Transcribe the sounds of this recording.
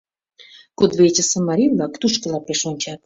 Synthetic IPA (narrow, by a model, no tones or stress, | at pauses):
kod̪βet͡ɕəsəmɑɾʲivlɑkt̪uʃkəlɑpeʃonʲt͡ɕɑt̪̚